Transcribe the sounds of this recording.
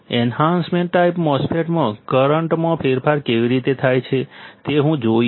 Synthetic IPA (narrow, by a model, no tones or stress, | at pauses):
enɦãnsmẽɳʈːaipmɔspʰeʈmãkəɾəɳʈmãpʰeɾpʰaɾkeʋiɾit̪et̪ʰajt͡ʃʰet̪eɦũd͡ʒo